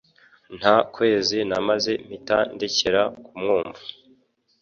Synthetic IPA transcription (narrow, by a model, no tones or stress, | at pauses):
n̥hakwe̞ːzinamaze̞m̥itandeceɾakumŋuːmvu